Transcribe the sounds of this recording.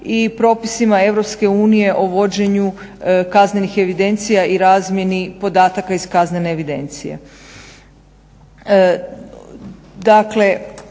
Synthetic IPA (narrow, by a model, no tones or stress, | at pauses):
ipɾo̞ːpisimae̞ʋɾo̞pske̞uːnije̞ʔoʋo̞d͡ʑe̞ɲukazne̞nixe̞ʋid̪e̞nt̪sijaiɾaːzmʲje̞nipo̞d̪aːt̪akaiskazne̞neːʋid̪e̞̰nt̪sijḛ | d̪akle̞